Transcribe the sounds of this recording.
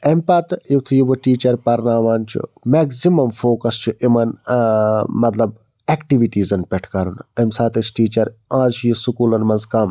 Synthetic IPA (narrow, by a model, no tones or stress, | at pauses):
ɐmpɐt̪it̪ʰujiboʈiːt͡ʃɐɾpɐɾnaːʋaːnt͡ʃʰḭmeksimɐmfoːkɐst͡ʃʰuʔimɐn | mɐt̪lɐb̚ | eːkʈiʋiʈiːzɐnpʲɛʈʰkɐɾunɐmsaːt̪ɐt͡ʃʈiːt͡ʃɐɾãːzt͡ʃʰjisukuːlɐnmɐnzkɐm